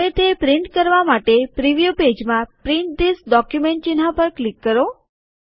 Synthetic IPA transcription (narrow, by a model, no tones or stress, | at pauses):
et̪ʰepɾɪɳʈ̚kəɾʋamaʈepɾiʋijuped͡ʒmãpɾɪɳʈ̚d̪isɖɔkjumeɳʈ̚t͡ʃinɦapəɾklikːəɾo